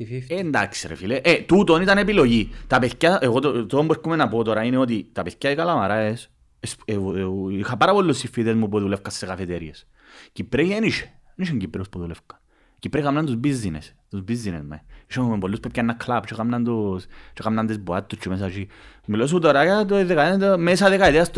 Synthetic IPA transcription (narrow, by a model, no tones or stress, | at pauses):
end̪aksiɾḛfileʔet̪ut̪onit̪anepiloʝit̪apeθcaʔeɣot̪ot̪oombuekːumenapot̪oɾaineot̪̬it̪apeθcaikalamaɾaes | es | ixapaɾapolːusifːiðezmupuðulefkasːekafet̪eɾies | cipɾejeniʃe̥niʃeɲɟipɾeospuðulefkɐ̥ | cipɾekamnand̪uzbizːinḛst̪uzbizːinezmḛiʃeumempolːuspepcanːakʰlapt͡ʃekamnɐnd̪ost͡ʃekamnɐnd̪ezboat̪ːust͡ʃʰemes̬at͡ʃi | milos̬uut̪oɾajat̪oðekaent̪mesaðekaiðeast̪